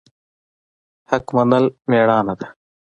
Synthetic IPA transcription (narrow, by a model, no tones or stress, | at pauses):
hɐkmɐnd̪ɐlmeːɽaːnɐd̪